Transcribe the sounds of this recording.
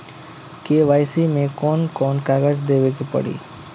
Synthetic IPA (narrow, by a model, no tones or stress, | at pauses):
keːʋaːɪsimẽkɔːnkɔːnkaːɡəd͡ʒd̪eːʋekipə̰ɽḭː